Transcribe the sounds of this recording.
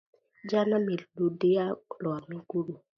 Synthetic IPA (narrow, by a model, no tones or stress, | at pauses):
d͡ʒanamiludealɔamiɡuɾu